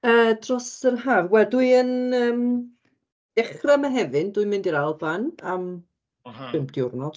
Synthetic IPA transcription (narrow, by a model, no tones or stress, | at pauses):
əːdrɔsərɦaːvwɛlˠduɨənəːm | d̥ɛχramaɦɛvɨnduɨmɪndiɾalˠvanam | pʰɪmp̚ʰd̥iʊrnɔd̥